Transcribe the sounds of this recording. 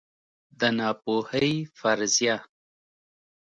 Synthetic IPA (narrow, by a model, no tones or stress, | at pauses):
d̪ənɑpohəjfaɾzjɑ